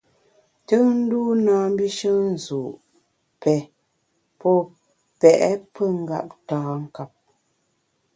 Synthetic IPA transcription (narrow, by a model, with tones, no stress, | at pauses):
tə˦ŋn̩˦du˦naː˦m˦bi˦ʃə˦n̩˦˨zu˨ʔ | pɛ˨ | pɔ˦ | pɛ˨ʔɛ˦pə˦ŋ̩˦ɡa̰˦˨p̚taː˨˦ŋ̩˦ka˦p̚